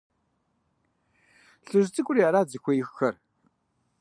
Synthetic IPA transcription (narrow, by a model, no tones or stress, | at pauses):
ɬɨʒt͡sʼɨkʷʼʊriaɾaːd͡zɨxʷɔjɪxxɐr